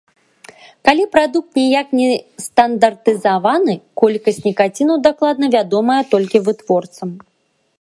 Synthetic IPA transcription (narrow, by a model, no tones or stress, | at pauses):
kalʲipɾad̪uk̚t̪nʲɛjaknʲɛst̪ɐnd̪ɐrt̪ɨzavanɨkɔlʲkɐsʲtʲnʲikat͡sʲinɐwd̪aklˠad̪nɐvʲad̪ɔmɐjɐt̪ɔlʲkʲivɨt̪vɔrt̪sɐm